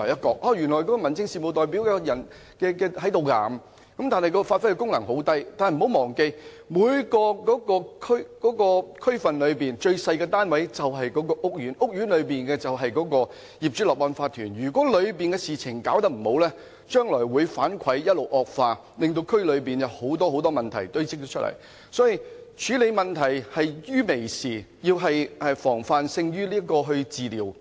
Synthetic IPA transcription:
jɐ˥kɔː˧k̚ʔɔː˧˩jy˨˩nlɔ˨˩jkɔː˨˥kɔ˧mɐ˨˩nt͡sɪ˧ŋsiː˨mo˨˧wt̪ɔː˨jpi˨˥wkɛː˧jɐ˨˩n | kɛː˧kɛː˧ɦɐ˨˥jt̪o˨wka˧˩ | kɐ˨˥mt̪aː˨nhɐ˨jkɔː˧kɔ˧faː˧tfɐ˥jkɛ˧kʊ˥ŋlɐ˨˩ŋɦo˨˥wt̪ɐ˥jt̪aː˨nhm̩˨˩o˨˥wmɔː˨˩ŋke˧j | muː˨˧jkɔː˧kɔː˨˥kɔː˧kʰɵ˥kɔː˨˥kɔː˧kʰɵ˥ɥfɐ˨nlɵ˨˧ɥpiː˨nt͡ʃɵ˧ɥsɐ˧jkɛː˧t̪aː˥nwɐ˨˥jt͡sɐ˨wɦɐ˨jkɔː˨˥kɔː˧ʔʊ˥k̚jyː˨˥nʔʊ˥k̚jyː˨˥nlɵ˨˧ɥpiː˨nkɛː˧t͡sɐ˨wɦɐ˨jkɔː˨˥kɔː˧ | jiː˨p̚t͡ʃyː˨˥lɔː˨k̚lɔː˧nfaː˧t̪ʰyː˨˩nɥyː˨˩kʷwɔː˨˥lɵ˨˧ɥpiː˨nkɛː˧siː˨t͡sʰɪ˨˩ŋkaː˨˥wt̪ɐ˥k̚m̩˨˩ho˨˥wlɛː˥ | t͡ʃœː˥ŋlɔː˨˩jwuː˨˧jfaː˨˥nkʷʰɐ˨˥jjɐ˥t̚lo˨˩wʔɔː˨˧k̚faː˧ | lɪ˨ŋt̪̬o˧wkʰɵ˥ɥlɵ˨˧ɥpiː˨njɐ˨˧who˨˥wt̪ɔː˥ho˨˥wt̪ɔː˥mɐ˨nt̪ʰɐ̰˨˩jt̪ɵ˥ɥt͡sɪ˥k̚t̪o˥t͡ʃʰt̚lɐ̰˨˩j | sɔː˨˥ji˨˧t͡ʃʰyː˨˥le˨˧jmɐ˨nt̪ʰɐ˨˩jhɐ˨jjyː˥me˨˩jsiː˨˩jiː˧wɦɐ˨jɛ˨˧fɔː˨˩ŋfaː˧nsɪ˧ŋjyː˥liː˥ɐ˥kːɔː˧ɦɵ˧ɥt͡siː˨liː˨˩w

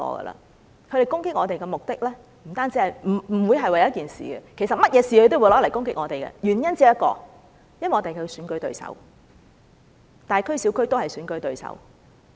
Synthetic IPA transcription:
ɔ̰ː˧ə̰˧lɐ̰˨ | kʰɥɾe˨jkʊ˥ŋkɪ˥k̚ŋɔː˨˧t̪e˨jkɛː˧mʊ˨k̚t̪ɪ˥k̚lɛː˥ | m̩˨˩t̪aː˥nt͡siː˨˥hɐ˨˩jm̩˨˩m̩˨˩wu˨˧jɦɐ˨jwɐ˨˩jɐ˥t̚kiː˨˩nsḭː˨˩ɡɛ̰˧kʰe˨˩sɐ˨t̚mɐ˥t̚jɛː˨˧siː˨hɵ˧jt̪o˥wu˧˥jlɔː˨˥ljkʊ˥ŋk̬ɪ˥k̚ŋɔː˨˧t̪e˨jkɛ̰ː˧jyː˨˩njɐ˥nt͡siː˥jɐ˥t̚kɔ̰ː˧ | jɐ˥nwɐ˨ŋɔː˧te˨jkʰːsyː˨˥nkɥt̪ɵ˧ɥsɐ̰˨˥w | t̪aː˨˩jkʰɵ˥ɥsi˨˥wkʰɵ˥ɥt̪o˥whɐ˨jsyː˨˥nkɵ˧ɥt̪ɵ˨˧ɥsɐ̰˨˥w

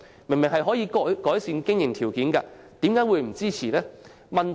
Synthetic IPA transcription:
mɪ˨˩ŋmɪ˨˩ŋhɐ˨jɦɔː˨˥jiː˧kɔ˨˥kɔː˨˥jsiː˧nkɪ˥ŋjɪ˨˩ŋt̪ʰiː˨˩wkiː˨˥nka̰˧t̪iː˨˥mkaː˨˥jwuː˨˧jm̩˨˩t͡siː˥t͡sʰiː˨˩lɛː˥ | mɐ˨n

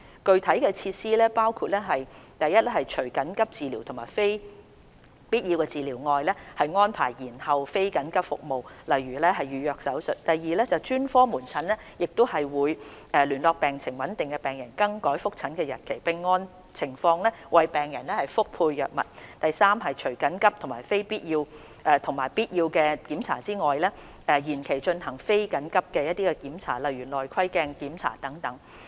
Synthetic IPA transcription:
kɵ˨˧ɥt̪ʰɐ˨˥jkɛː˧t͡sʰiː˧t̚siː˥lɛː˥paː˥wkʰu˧t̚lɛː˥ɦɐ˨jt̪ɐ˨jːɐ˥t̚lɛ˥hɐ˨jt͡ʃʰɵ˨˩ɥkɐ˨˥nkɐ˥p̚t͡siː˨liː˨˩wt̪ʰʊ˨˩ma̰ː˨˩jfe˥j | piː˥t̚ji˧wkɛː˧t͡siː˨liː˨˩wŋɔː˨jlɛ˥hɐ˨jŋɔː˥npʰa̰ː˨˩jjiː˨˩nhɐ˨wfe˥jkɐ˨˥nkɐ˥p̚fʊ̰˨k̚mo˨wlɐ˨jɥyː˨˩lɛː˥ɦɐ˨jɥyː˨˧jœː˧k̚sɐ˨˥wsɵ˨˩t̚t̪ɐ˨jiː˨lɛː˥t͡sɐ˨wt͡ʃyː˥nfɔː˥muː˨˩nt͡sʰɐ˨˥nlɛː˥ | jɪ˨k̚t̪o˥whɐ˨jwuː˨˧jʔɛ˨˧lyː˨˩nlɔː˧k̚pɛː˨ŋt͡sʰɪ˨˩ŋwɐ˨˥nt̪ɪ˨ŋkɛ˧pɛː˨ŋjɐ˨˩nkɐ˧ŋkɔː˨˥jfʊ˥k̚t͡sʰɐ˨˥nkɛː˧jɐ˨t̚kʰe˨˩jpɪ˧ŋːɔː˥n | t͡sʰɪ˨˩ŋfɔː˧ŋlɛː˥wɐ˨jpɛː˨ŋjɐ˨˩nlɛ˥hɐ˨˩jfʊ˥k̚pʰuː˧jːœ̰ː˨k̚mɐ̰˨t̚t̪ɐ˨jsaː˥mɦɐ˨jt͡ʃʰɵ˨˩ɥkɐ˨˥nkɐ˥p̚t̪ʰʊ˨˩ŋmaː˨˩jfe˥jpiː˥t̚jiː˧w | ʔɛː˧t̪ʰʊ˨˩ŋmaː˨˩jpiː˥t̚jiː˧wkɛː˧kiː˨˥mt͡sʰa̰ː˨˩t͡siː˥ŋɔː˨jlɛː˥ | ʔɛː˧jiː˨˩nkʰe˨˩jt͡ʃɵ˧nhɐ˨˩ŋfe˥jkɐ˨˥nkɐ˥p̚kɛː˧jɐ˥t̚t̪iː˥kɛ˧kiː˨˥mt͡sʰa̰ː˨˩lɐ˨jɥyː˨˩lɔː˨jkʰɐ˥jkɛː˧ŋkiː˨˥mt͡sʰa̰ː˨˩t̪ɐ˨˥ŋt̪ɐ˨˥ŋ

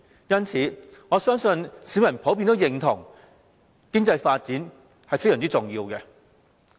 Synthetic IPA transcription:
jɐ˥nt͡sʰiː˨˥ŋɔː˨˧sœː˥ŋsɵ˧nsiː˨˥wjɐ˨˩npʰo˨˥wpiː˧nt̪oː˨˥wjɪ˨ŋt̪ʰʊ˨˩ŋ | kɪ˥ŋt͡sɐ˧jfaː˧t̚t͡siː˨˥n | hɐ˨jfjsœː˨˩nt͡si˥t͡sʊ˨ŋjiː˧wkɛ˧

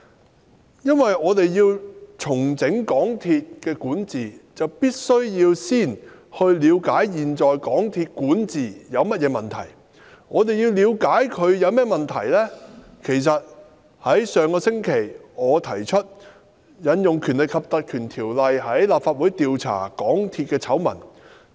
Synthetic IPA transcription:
jɐ˥nwɐ˨jɔː˨˧t̪e˨jjiː˧wt͡sʰʊ˨˩ŋt͡sɪ˨˥ŋkɔː˨˥ŋt̪ʰiː˧t̚kɛː˧kuː˨˥nt͡siː˨t͡sɐ˨wpiː˥t̚sɵ˥ɥjiː˧wsiː˥˩n | hɵ˧ɥliː˨˧wkaː˨˥jjiː˨nt͡sɔː˨jkɔː˨˥ŋt̪ʰiː˧t̚kuː˨˥nt͡siː˨jɐ˨˧wmɐ˥t̚jɛː˨˧mɐ˨nt̪ʰɐ̰˨˩j | ŋɔː˨˧t̪e˨jiː˧wliː˨˧wkaː˨˥jkʰɵ˨˧ɥjɐ˨˧wmɛː˥mɐ˨nt̪ʰɐ˨˩jlɛː˥ | kʰe˨˩jsɐ˨t̚ | hɐ˨˥jsœː˨ŋkɔː˧sɪ˥ŋkʰe˨˩jŋɔː˨˧t̪ʰɐ˨˩jt͡ʃʰɵ˥t̚ | jɐ˨˧njʊ˨ŋkʰyː˨˩nlɪ˨˩kʰɐ˨p̚t̪ɐ˨t̚kʰyː˨˩nt̪ʰiː˨˩wlɐ˨jɦɐ˨˥jlaː˨p̚faː˧t̚wuː˨˥jt̪iː˨˧wt͡sʰa̰ː˨˩kɔː˨˥ŋt̪ʰiː˧t̚kɛː˧t͡sʰɐ˨˥wmɐ̰˨˩n

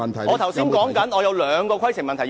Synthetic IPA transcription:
ɔː˨˧t̪ʰɐ˨˩wsi˥nkɔː˨˥ŋkɐ˨˥nɔː˨˧jɐ˨˧wlœː˨˧ŋkɔː˧kʰʷwɐ˥jsɪ˨˩ŋmɐ˨nt̪ʰ

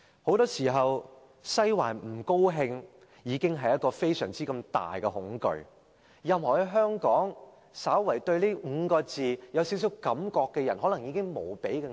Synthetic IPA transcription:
ho˨˥wt̪ɔː˥siː˨˩ɦɐ˨w | sɐ˥jwa̰ː˨˩nm̩˨˩ko˥wɦɪ˧ŋ | jiː˨˧kɪ˥ŋɦɐ˨jɐ˥tkɔː˧fe˥jsœ̰ː˨˩ŋt͡siː˥kɐ˧mt̪a̰ː˨jkɛ˧hʊ˨˥ŋkɵ̰˨ɥ | jɐ˨˧mhɔː˨˩he˧ɦœː˥ŋkɔː˨˥ŋ | saː˨˥wwɐ˨˩jt̪ɵ˧ɥliː˥m̩˨˧˥kɔː˧t͡siː˨jɐ˨˧wsiː˨˥ws̬i˨˥wkɐ˨˥mkɔː˧kːɛ˧jɐ˨˩nɦɔː˨˥lɐ˨˩ŋjiː˨˧kɪ˥ŋmo˨˩wpe˨˥jkɛ˧

